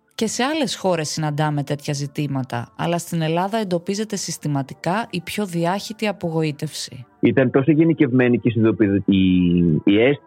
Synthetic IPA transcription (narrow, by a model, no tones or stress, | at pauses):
cese̞ɐle̞sxo̞ɾe̞sːinɐnd̪ɐme̞t̪e̞t̪çɐzit̪imɐt̪ɐ̰ɐ̰lɐst̪ine̞lɐðɐe̞nd̪o̞pize̞t̪e̞sist̪imɐt̪i̥kɐʔipço̞ðiɐçit̪iɐpo̞ɣo̞it̪e̞fsḭit̪ɐnt̪o̞soʝenice̞vme̞nicesiðopiiies